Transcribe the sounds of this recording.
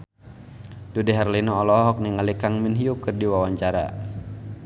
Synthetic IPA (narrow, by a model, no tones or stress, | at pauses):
dudɛɦarlinɔːlɔɦɔk̚niŋalikaŋminɦiukɨrdiwawaɲt͡ʃaɾa̰